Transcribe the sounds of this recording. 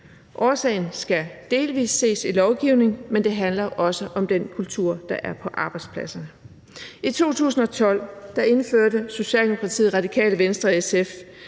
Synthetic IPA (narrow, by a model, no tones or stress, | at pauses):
ʔɒːsɛ̰ɪn̩sɡ̥æd̥e̝ːlʋḭːsːe̝̰ːsilɒʊɡ̥iʊne̝ŋmend̥e̝ɦænlɐʔɒ̽səʔɒ̽md̥enkʰult͡sʰuɐ̰d̥ɑ̈ʔæɐpʰɒ̽ʔɑ̈ːb̥ɑ̈ɪd̥spʰlæsɐnə | it͡sʰo̝̰ːt͡sʰṵːsn̩ɒ̽t͡sʰɒ̽l̰d̥ɑ̈e̝nføɐ̰dəso̝ɕɛ̰ːld̥emo̝kʰʁɑ̈t͡sʰḭð̩ˠʁɑ̈d̥ikʰɛ̰ːləʋensd̥ʁɐesef